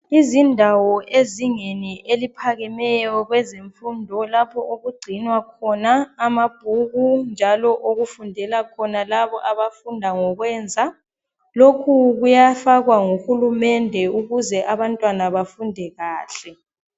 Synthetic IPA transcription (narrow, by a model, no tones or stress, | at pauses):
izindʱawɔʔeziŋeniʔelipʰaɣɛmɛjjɔɣwɛzeɱfundʱɔlapʰɔʔoɣuɡ͡ǀʱinwakʰɔnaːmab̥ʱuɣund͡ʒʱalɔʔoɣufundʱɛlakʰɔnalaβɔʔaβafundʱaŋɔɣwɛːnd͡zʱa | lokʰuɣujafaɣwaŋuxulumɛndʱɛuɣuzɛʔaβantʼwanaβafundʱɛɣaːɬɛ